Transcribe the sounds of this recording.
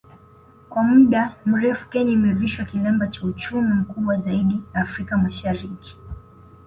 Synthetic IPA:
kwamuɗam̩ɾɛfu̥kɛɲimɛviʃwakilɛmbat͡ʃaut͡ʃumim̩kuɓwazaiɗinaːfɾikamaʃaɾiki̥

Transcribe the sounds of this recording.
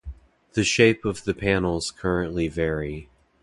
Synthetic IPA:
ðɨʃeɪpʌvðɨpʰæ̃nl̩ˠz̥kʰɜ˞ɨ̃nʔlivɛɹi

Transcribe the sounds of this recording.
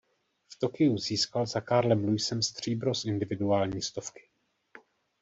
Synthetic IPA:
ft̪o̞kɪuziːskalzakaːɾlɛmlujsɛmst̪r̝̥iːbɾosʔɪndɪvɪduaːlɲiːst̪o̞fkɪ̥

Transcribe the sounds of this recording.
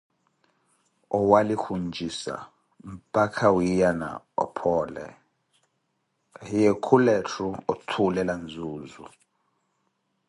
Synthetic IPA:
ɔwalikʰund͡ʒʱisa̰ | m̩pʼakʰawijana̰ | ɔ̰pʰɔːlɛ̰ | jekʰulɛtʰuɔtʰulɛland͡zʱuːzṵ

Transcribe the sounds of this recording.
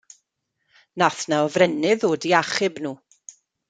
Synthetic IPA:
naθnaɔvrɛnɪðoːdiaχɪbnuː

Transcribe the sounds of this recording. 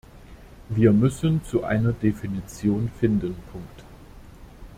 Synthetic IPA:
viːɐmʏsənt͡suʔa̰ɪnɐdefinit͡sjoːnfɪndənpʰʊŋkt

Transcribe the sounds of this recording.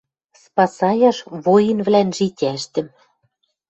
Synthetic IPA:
spɑsɑjɑʃβojɤ̆nβlænʒitʲæʃt̪ɘ̆m

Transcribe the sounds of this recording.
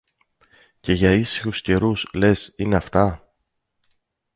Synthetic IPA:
ce̞ʝɐisi̥xusce̞ɾusle̞sine̞ɐft̪ɐ

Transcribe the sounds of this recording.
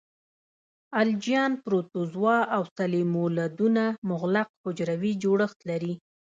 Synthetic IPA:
ald͡ʒijɑnpɾot̪ozwɑawsalemolad̪unamʊɣlaq̚hʊd͡ʒɾawid͡ʒoɽəxt̪laɾi

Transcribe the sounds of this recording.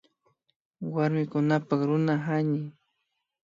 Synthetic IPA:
waɾmɪkʊnapaχɾʊnaɦaɲɪ

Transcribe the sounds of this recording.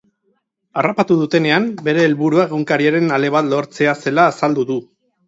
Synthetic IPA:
arapat̪uð̞ut̪e̞ne̞ambe̞ɾe̞ːlβuɾuaɣuŋkaɾiaɾe̞nale̞βat̪lo̞ɾt͡se̞ase̞laːsald̪uðu

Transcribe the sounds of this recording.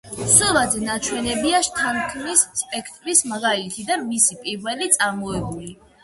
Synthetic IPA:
sɔlad̪zɛnat͡ʃʰwɛnɛbiaʃt̪ʰankʰnisspʼɛkʰt̪ʼɾismaɡalit̪ʰid̪anmisipʼiɾvɛlit̪sʼaɾmɔɛbuli

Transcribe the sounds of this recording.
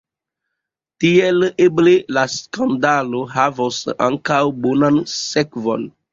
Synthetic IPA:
tieleblelaskandaloɦavosa̰ŋkawbonansekvo̰n

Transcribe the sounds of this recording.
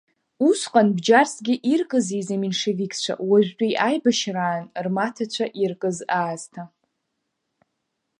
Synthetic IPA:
usqʼanbd͡ʒarsɡʲɪʔirkʼɨzijzamenʂevikʰʲʼt͡ɕʷʰa̰waʒᶣt͡pʷʼijʔajbaʃraːnrmatʰat͡ɕʷʰaʔirkʼɨzaːz̥tʰa

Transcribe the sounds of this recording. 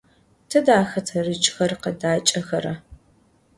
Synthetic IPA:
tʰɐdaːxɐtʰɐrɨt͡ʃʼxɐrqɐdaːt͡ʃʼɐxɐɾɐ

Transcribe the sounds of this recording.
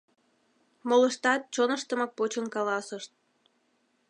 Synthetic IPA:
moləʃt̪ɑt̪̚t͡ɕonəʃt̪əmɑk̚pot͡ɕənkɑlɑsəʃt̪̚

